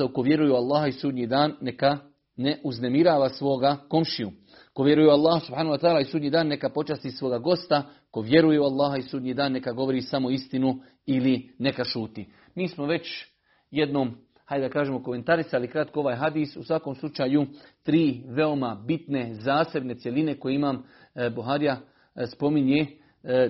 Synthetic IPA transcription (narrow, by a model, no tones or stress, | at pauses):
aukoʋje̞ɾujeualˠːaːɦaisuːd̪ɲid̪aːnːe̞ka | ne̞ʔuzne̞miɾaːʋasʋo̞ːɡako̞mʃiu | ko̞ʋje̞ɾujeualːaːhasub̥haːnahuwat̪aaːlaisuːd̪ɲiːd̪aːnːe̞kapo̞t͡ʃast̪isʋo̞ːɡaɡo̞st̪a | koʋje̞ɾujeualˠːaːɦaisuːd̪ɲid̪aːnːe̞kaɡo̞ʋo̞ɾiːsamo̞ist̪inu | iline̞kaʃuːt̪i | miːsmo̞ʋe̞t͡ɕ | je̞d̪nom | hajd̪akaːʒeːmokome̞nt̪aɾisalikɾat̪koo̞ʋaːjɦad̪iːsusʋakomslˠut͡ʃaːjut̪ɾiːʋe̞o̞mabit̪ne̞zaːse̞bne̞t̪sje̞line̞ko̞jeimaːm | buɦaːɾija | spo̞miɲe̞